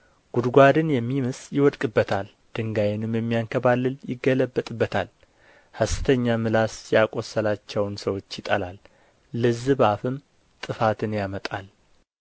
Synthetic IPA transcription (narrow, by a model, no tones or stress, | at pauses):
ɡ̥ud̪ɡʷad̪ɨnjɛmːimɨsjɪwɔd̪kʼɨbːət̪ʰal | d̪̥ɨŋɡajɪnɨmjɛmːijaŋkʰəβalːɨljɪ̰ɡːələbːət̪ʼɨbːət̪ʰal | həst̪ʰəɲːamɨlasjakʼosːəlat͡ʃːɛwnsəwo̞t͡ʃːjɪt̪ʼəlalː | ɨzɨβafɨm | t̪ʼɨfat̪ʰɨnjamət̪ʼal